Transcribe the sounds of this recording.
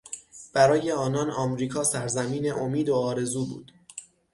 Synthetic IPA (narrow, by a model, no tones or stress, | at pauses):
b̥æɾɒːje̞ɒːnɒːnɒmɾiːkʰɒːsæɾzæmiːneʔomiːd̪oɒːɾe̞zuːbṵːd̪̥